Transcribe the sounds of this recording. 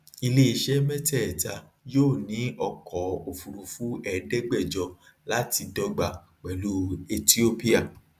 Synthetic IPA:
i˧le˦i˧˨ʃɛ˦mɛ˦tɛ˦˨ɛ˨ta˧ | joː˦˨nĩ˨˦ɔ˧kʰɔ˨o˨fu˨ɾu˨fu˦ʔɛ˦˨˦dɛ˦ɡ͡bɛ˦˨d͡ʒɔ˧˦ | la˨˦ti˧dɔ˦ɡ͡ba˧ | k͡pɛ˨lu˦e˧ti˦o˦pi˦a˦˨

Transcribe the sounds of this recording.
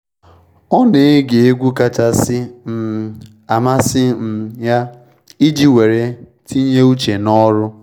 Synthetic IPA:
ɔ˦ne˨e˦ɡe˨e˦ɡʷu˦ka˦ta˦sɪ˦m̩˨ | a˨ma˦sɪ˦m̩˨ja˦ | i˦d͡ʒi˦we˨ɾe˦ | tʰi˦ɲe˦u˦t͡ʃe˨nɔ˦ɾʊ˦

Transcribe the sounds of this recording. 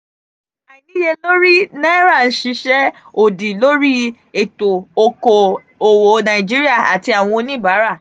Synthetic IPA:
a˨i˨nĩ˦je˧lo˦ɾi˦nã˦i˦ɾa˦˨n̩˦ʃi˧ʃɛ˦ | o˨di˨lo˦ɾi˦ | e˦˨to˨o˨ko˨ | o˨wo˨nã˨ĩ˨d͡ʒi˦ɾi˦a˦˨a˨ti˧a˨w̃ɔ̃˧o˧nĩ˦ba˨˦ɾa˦˨

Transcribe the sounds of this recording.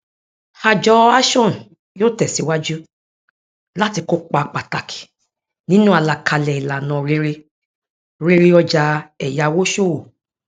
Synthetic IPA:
ha˧d͡ʒɔ˦a˦ʃɔ̃˦˨ | joː˦˨tɛ˨si˨˧˦wa˦d͡ʒu˦ | la˦ti˧ko˦k͡pa˧˨k͡pa˨ta˨kʰi̥˨ | nĩ˦nũ˦a˨˧la˨kʰa˧lɛ˨i˨la˨nã˨ɾe˧ɾe˧ | ɾe˧ɾe˧ɔ˧d͡ʒa˧ɛ˨ja˨˧wo˦ʃo˦˨wo˨

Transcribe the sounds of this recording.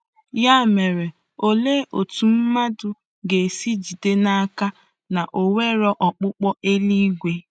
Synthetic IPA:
ja˦˨me˨ɾe˨ | o˨le˦ʔo˨tu˨m̩˦ma˦dʊ˨ | ɡe˨si˦d͡ʒi˨de˦na˦a˦ka˦ | na˨ʔo˨we˦ɾɔ˦ʔɔ˨k͡pʊ˦k͡pɔ˦ʔe˦li˦ɡʷe˦

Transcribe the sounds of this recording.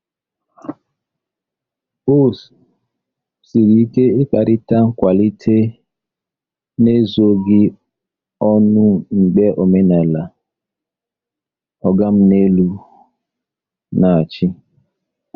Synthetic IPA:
o˦s | si˨ɾi˦i˦ke˦ɪ˦k͡pa˨ɾɪ˦ta˦ŋ̩˦kʷa˨li˦tʰe˦ | ne˦zo˦ɡɪ˦ | ɔ˦nʊ˦ŋ͡m̩˨ɡ͡be˦ʔo˨me˦na˨la˨ | ɔ˨ɡa˦m̩˦ne˦lu˦ | na˨a˨t͡ʃɪ˦

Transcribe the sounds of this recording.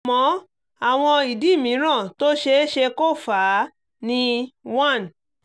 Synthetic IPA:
mɔ̃˨˦ | a˨w̃ɔ̃˧i˨di˨˦˨mĩ˨˦ɾ̃ã˦˨to˦ʃe˧˦ʃe˧ko˦˨faː˨˦ | nĩ˧wã˦˨n

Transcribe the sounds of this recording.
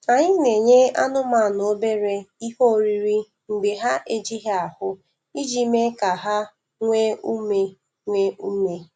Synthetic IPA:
a˨ɲɪ˦ne˨ɲe˦a˦nʊ˦ma˨no˨˦be˦ɾe˦i˦ho˦˨ɾi˦ɾi˦ | ŋ͡m̩˨ɡ͡be˨ɦa˦ʔe˦d͡ʒi˦ɦa˨hʊ˦ | i˦d͡ʒi˦me˦ka˨ɦa˦ | ŋʷe˦u˦me˦ | ŋʷe˦u˦me˦

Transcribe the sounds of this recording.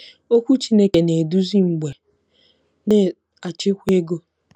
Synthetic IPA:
o˦kʷu˦t͡ʃi˦ne˦ke˨ne˨du˦zi˦ŋ͡m̩˨ɡ͡be˨ | ne˦ | a˨t͡ʃɪ˦kʷe˦ɡo˦

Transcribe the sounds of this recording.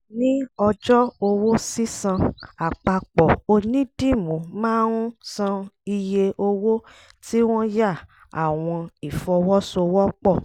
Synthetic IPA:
nĩ˦ɔ˧d͡ʒɔ˦o˧wo˦si˦sã˧a˨k͡pa˧k͡pɔ˨o˧nĩ˦d̥ĩ˦˨mũ˨mãː˦ɾũ˦sã˧i˧je˧ʔo˧wo˦ | ti˦w̃ɔ̃˦ja˦˨ | a˨w̃ɔ̃˧i˨fɔ˧wɔ˦so˧wɔ˦k͡pɔ˦˨

